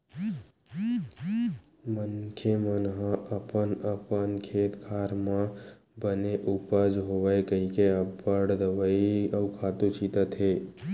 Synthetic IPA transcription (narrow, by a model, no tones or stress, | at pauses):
mənkʰemənɦãʔəpənəpənkʰeːt̪kʰaːɾmã | bəneʔupəd͡ʒɦoʋəekəɦikeəbəɽd̪əʋəiɐwkʰaːt̪ut͡ʃiːt̪at̪ʰeː